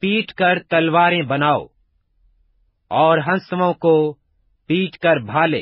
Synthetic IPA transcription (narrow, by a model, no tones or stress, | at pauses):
piːʈkɐɾt̪ɐlwaːɾẽbɐnaːo̰ː | ɔːɾɦɐ̃nsmõko | piːʈkəɾbʱaːlḛː